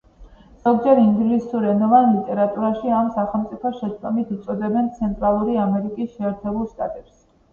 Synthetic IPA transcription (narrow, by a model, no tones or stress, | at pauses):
z̥ɔɡd͡ʒɛɾiŋɡlisuɾɛnɔvanlit̪ʼɛɾat̪ʼuɾaʃiamsaχɛlˠmt̪sʼipʰɔʃɛst̪ʼɔmit̪ʰut̪sʼɔd̪ɛbɛnt̪sʰɛnt̪ʼɾalˠuɾiamɛɾikʼisʃɛːɾt̪ʰɛbulˠʃt̪ʼa̰t̪ʼɛps